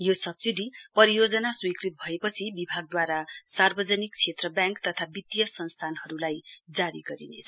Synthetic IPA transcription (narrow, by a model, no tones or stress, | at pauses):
josʌbsiɖipʌɾijod͡zʌnaswikrit̪̚bʱʌepʌt͡sʰibibʱaɡ̚d̪waɾasarbʌd͡zʌnik̚t͡sʰet̪rʌbjãŋkt̪ʌt̪ʰabit̪jʌsʌnst̪ʰanɦʌɾulajd͡zaɾiɡʌɾḭnḛt͡sʰʌ̥